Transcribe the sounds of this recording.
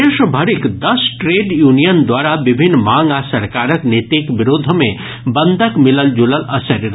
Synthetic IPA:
eʃbʱəɾikd̪əsʈɾeɖjunijənd̪waɾabibʱinːmãŋɡasɐɾkaɾəknet̪ikbiɾod̪ʱmẽ | bənd̪ʱəkmiləld͡ʒuləlɐsəɾɾ

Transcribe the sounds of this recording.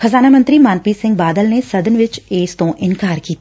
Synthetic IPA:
xəzaːnaːmə̃nt̪ɾiːmãːnpisɪ̃ŋɡ̚baːd̪əlnesɐd̪ənʋɪt͡ʃeːst̪õːʔɪnkaːɾkiːt̪a

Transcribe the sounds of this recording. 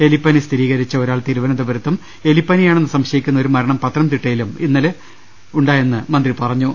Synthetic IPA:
e̞lipːɐnist̪ʰiɾiːɣɐɾit͡ɕːɐo̞ɾaːɭt̪iːɾuʋɐnɐd̪ɐbɐɾɐt̪ːum | e̞lipːɐnijaːɳe̞nːɨsɐmɕɐjikʲːunːɐoɾumɐɾɐɳɐmpɐt̪ːrɐmt̪iʈːɐjiluminːɐle | uɳɖaːje̞nːɨmɐnd̪ripɐrɐɲːu

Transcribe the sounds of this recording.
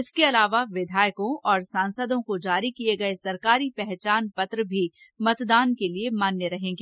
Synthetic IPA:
ɪskeɐlaːʋaʋɪd̪ʱaːjkõɔːɾsãːnsəd̪õkod͡ʒaːɾikieɡɐesɐɾkaːɾipɛɦt͡ʃaːnpɐt̪ɾəbʱi | mɐt̪d̪aːnkeliemaːnːeɾɐɦẽːɡe

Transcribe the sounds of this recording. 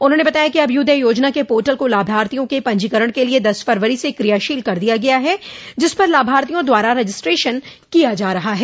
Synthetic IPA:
ʊnɦõːnebɐt̪aːjakiɐbjʊd̪ʱəjoːd͡ʒnakepoːɾʈəlkolaːbʱaːɾt̪ijõkepɐ̃ɲd͡ʒikəɾəɽ̃kelied̪ɐsfɐɾʋəɾisekɾijaʃiːlkɐɾd̪ijaɡɐjaɦɛd͡ʒɪspɐɾlaːbʱaːɾt̪ijõd̪waːɾaɾɛd͡ʒɪsʈɾeːʃən | kijad͡ʒaːɾɐɦaɦɛː

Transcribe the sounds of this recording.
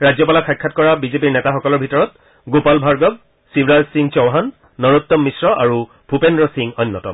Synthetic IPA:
ɹazjɔpalakʰajkʰːatkɔɹabizepiɹnɛtaxɔkɔlɔɹbʱitɔɹɔt̚ | ɡopalbʱaɹɡɔb̚ | sibɹalsiŋt͡ʃɔwɦanː | ɔɹut̪ːɔmːisɹɔʔaɹu | b̥ʱupendɹɔsiŋɔnːɔtɔ̰m

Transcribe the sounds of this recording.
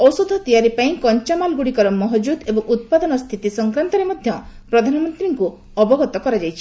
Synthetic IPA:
ɔwsod̪ʱɔt̪ijaɾipaĩkɔɲt͡ʃamalɡuɽikɔɾɔmɔɦɔd͡ʒud̪ebɔŋʔut̪̚pad̪ɔnɔst̪ʰit̪isɔŋkɾant̪ɔɾemɔd̪ʱjɔpɾɔd̪ʱanɔmɔnt̪ɾiŋku | ɔbɔɡɔt̪ɔkɔɾad͡ʒajt͡ʃʰi̥

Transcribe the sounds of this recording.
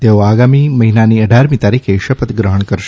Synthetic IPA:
t̪eoaɡamiməɦinaniəɖʱaɾmĩt̪aɾikʰeʃəpət̪ɡɾəɦəɳkəɾʃe

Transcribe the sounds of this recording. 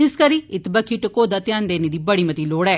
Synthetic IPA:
ɪskəɾiːɪt̪bəkʰɪʈkoːd̪aːt̪ɪjaːnd̪eːneːd̪iːbəɽiːmət̪iːloːɽɛː

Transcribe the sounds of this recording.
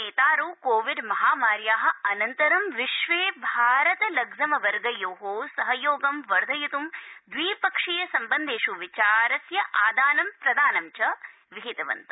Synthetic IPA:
eːt̪aːɾuːkoːʋiɖmɐɦaːmaːɾjaːɦɐ̆ɐnɐnt̪ɐɾɐmʋiʃʋeːbʱaːɾɐt̪ɐlɐɡzɐmɐʋɐɾɡɐjoːɦoːsɐɦɐjoːɡɐmʋɐɾd̪ʱɐjut̪umd̪ʋiːpɐkʂijɐsɐmbɐnd̪ʱeːʃuʋit͡ʃaːɾɐsjɐʔaːd̪aːnɐmpɾɐd̪aːnɐmt͡ʃɐ | ʋiɦit̪ɐʋɐ̰nt̪ɐ

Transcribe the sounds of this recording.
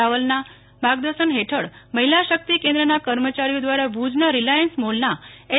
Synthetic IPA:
aʋəlna | bʱaɡd̪əɾʃənɦeʈʰəɽməɦilaʃək̚t̪ikẽnd̪ɾənakəɾmət͡ɕaɾijod̪ʋaɾabʱud͡ʒnəɾilajənsmolnae

